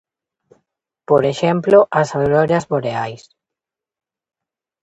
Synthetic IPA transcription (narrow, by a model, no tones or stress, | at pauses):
poɾeʃɛmploʔɐsaɾɔɾjɐzβoɾeajs